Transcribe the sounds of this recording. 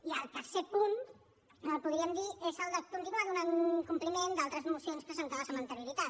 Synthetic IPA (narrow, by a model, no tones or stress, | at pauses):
iəlˠt̪əɾsepun | əpuðɾiəmd̪iezəlˠd̪əkunt̪inuaðunaŋkumplimend̪alˠt̪ɾəzəmusionskəsənk̪aβəsəmbənt̪əɾjuɾit̪at̪